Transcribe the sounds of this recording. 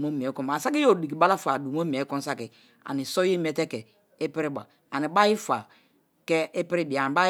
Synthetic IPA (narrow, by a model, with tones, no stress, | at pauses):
mo˦mi˨ɛ˨˦kɔ˨ma˨sa˦ki˦jo˦˨di˨ki˨ba˦la˦fa˨du˨mo˦mi˨ɛ˨˦kɔ̃˦n˦sa˦kɪ˨ | a̰˨ni˨sɔ˦je˦m˦ɛ˨tɛ˦kɛ˨ | e˦pɪ˦ɾɪ˦ba̰˨ | a˨ni˨ba˦ji˦fa˨ | kɛ˦e˦pɪ˦ɾi˦di˨a˨n˨ba˦